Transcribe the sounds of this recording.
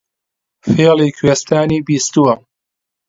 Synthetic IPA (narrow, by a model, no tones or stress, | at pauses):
feːliːkʰweːst̪aːniːbiːst̪uwɐ